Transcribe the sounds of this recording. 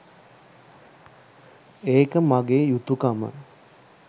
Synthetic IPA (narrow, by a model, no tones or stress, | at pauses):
eːkəmaɡeːjut̪ːukamə̰